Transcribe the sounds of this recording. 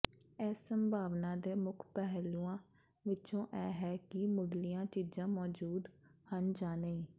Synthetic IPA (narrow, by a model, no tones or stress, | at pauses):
ɛːsːəmbʱaːʋnaːd̪eːmʊkʰpɛɦlːuːãː | ʋɪt͡ʃõːʔɛːɦɛːkɪmʊɽlɪjãːt͡ʃiːd͡ʒãːmɔːd͡ʒuːd̪hənd͡ʒaːneĩː